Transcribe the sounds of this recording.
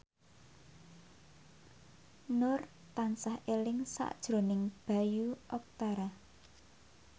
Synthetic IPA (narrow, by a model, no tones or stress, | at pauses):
nʊr | t̪ansahelɪŋsa̰ʔd̥ʒ̥ɾo̤nɪŋb̥a̤juʔɔk̚t̪aɾa